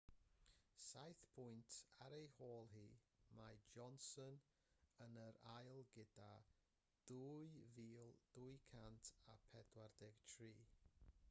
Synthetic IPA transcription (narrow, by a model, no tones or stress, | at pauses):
sajθpʰʊjntʰaɾejhoːlˠɦiːmajd͡ʒɔnsɔn | ənəɾajlˠɡɪda | d̥ujviːlˠd̥uːjkʰantʰapʰɛdwardɛɡ̥tʰriː